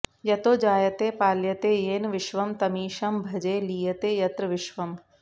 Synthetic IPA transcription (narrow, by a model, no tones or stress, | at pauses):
jɐt̪oːd͡ʒaːjɐt̪eːpaːljɐt̪eːjeːnʋɪʃʋɐmt̪ɐmiːʃɐmbʱɐd͡ʒeːliːjɐt̪eːjɐt̪ɾɐʋɪʃʋɐm